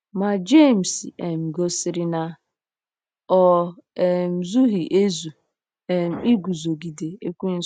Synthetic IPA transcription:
ma˨d͡ʒe˦˨m̩˨se˨m̩˨ɡo˦sɪ˨ɾɪ˦na˨ | ɔ˦e˨m̩˦˨zu˦ɦi˨ʔe˦zu˨ | e˨m̩˦˨i˦ɡu˨zo˨ɡi˨de˨e˦kʷu˦n̩˦

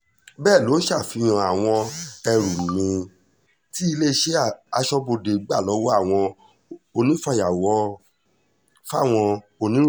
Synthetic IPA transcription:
bɛː˦˨lo˨˦ʃa˦˨fĩ˧˦ã˧a˨w̃ɔ̃˧ɛ˧ɾu˨m̃˨mĩ˧ | ti˦i˧le˦˧˦ʃe˦˨a˧ʃɔ˧bo˧de˨˦ɡ͡ba˦˨lɔ˨˦wɔ˦a˦˨w̃ɔ̃˧ | o˧nĩ˦fa˧ja˨wɔ˨˦ | fa˦˨w̃ɔ̃˧ | o˧nĩ˨˦

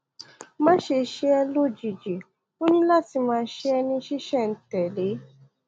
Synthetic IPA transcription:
mãː˦ʃe˧ʃe˦ɛ˧lo˦˨d͡ʒi˨d͡ʒi˨ | o˦nĩ˦la˦˨ti˨˧˦mãː˦˧˦ʃe˦ɛ˧nĩ˧ʃi˦ʃɛ˦˨n̩˨˦tɛ˨le˨˦

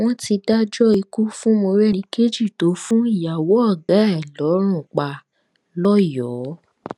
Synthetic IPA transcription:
w̃ɔ̃˦ti˧da˦d͡ʒɔ˦i˧ku˦fũ˦mo˧ɾɛ˦˨ĩ˧˦ke˦d͡ʒi˦˨to˨˦fũ˦i˦˨ja˨wɔ˨˦ɔ˦˨ɡa˨˦ɛ˦˨lɔ˨˦ɾ̃ũ˦˨k͡pa˨ | lɔ˦jɔː˨˦

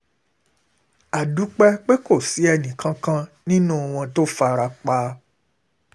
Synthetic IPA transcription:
a˨du˨˦k͡pɛ˦k͡pe˦ko˦˨si˨˦ɛ˧˨nĩ˨kʰã˧˦kã˦nĩ˦nũ˦˨w̃ɔ̃˧to˦fa˧ɾa˧k͡pa˧˦

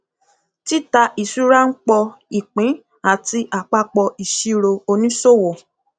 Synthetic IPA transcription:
ti˦ta˧ʔi˨su˦ɾa˦ŋ̩˦k͡pɔ˧i˨k͡pĩ˨˦ | a˦˨ti˧ʔa˨k͡pa˧k͡pɔ˧ʔi˨ʃi˧ɾo˧o˧nĩ˦so˦˨wɔ˨

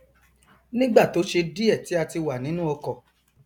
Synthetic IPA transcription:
nĩ˦ɡ͡ba˦˨to˨˦ʃe˧di˦ɛ˦˨ti˨˦a˧ti˧wa˨nĩ˨˦nũ˦ɔ˧kɔ˨

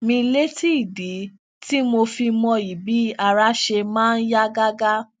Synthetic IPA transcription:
mĩ˧le˦ti˦i˨di˨˦ | ti˦mo˧fi˧mɔ̃˧i˨bi˨˦a˧˨ɾa˨˦ʃe˧mãː˦˧n̩˦ja˦ɡa˦ɡa˦

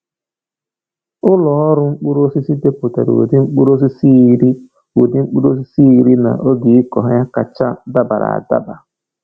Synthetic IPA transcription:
ʊ˦lɔ˨ɔ˦ɾʊ˦ŋ͡m̩˦k͡pu˦ɾo˦si˦si˦de˦po˨ta̰˨ɾo̰˨o̰˨dɪ˦ŋ͡m̩˦k͡pu˦ɾo˦s̬i˦si˦ɾi˦ | o˨di˦ŋ͡m̩˦k͡pu˦ɾo˦s̬i˦si˦i˨ɾi˦na̰˨ʔo˦ɡi˨i˦kɔ˨ɦja˦ka˨t͡ʃa˦da˦ba˨ɾa̰˨da̰˦ba˨

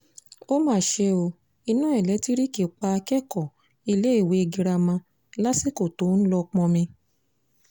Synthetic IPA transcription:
o˦mãː˦˨ʃe˧o˧ | i˧nã˦ɛ˨lɛ˨˦ti˦ɾi˦ki˨k͡pa˧kɛ˦kɔ˨ | i˧le˦˨we˨˦˧ɡi˧ɾa˧mã˧ | la˦si˦ko˦˨to˨˦n̩˦lɔ˧k͡pɔ̃˧mĩ˧

